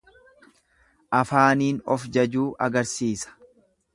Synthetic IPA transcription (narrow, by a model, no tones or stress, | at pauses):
ʔɐfaːniːnɔfd͡ʒɐd͡ʒuːʔɐɡɐɾsiːsɐ̥